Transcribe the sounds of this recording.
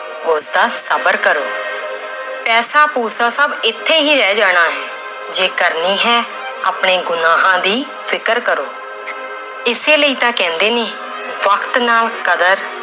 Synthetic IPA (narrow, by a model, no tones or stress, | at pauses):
oʊsd̪aːsəbəɾkəɾoː | pɛːsaːpuːsãːsəbɪt̪ʰːeːɦiːɾɛːd͡ʒaːɽ̃aːɦɛː | d͡ʒeːkəɾniːɦɛː | a̰ːpɽ̃eːɡʊnaːɦãːd̪iː | pʰɪkəɾkəɾoː | ɪseːləiːt̪ãːkɛ̃ːnd̪eːneː | ʋəkt̪naːlkəd̪əɾ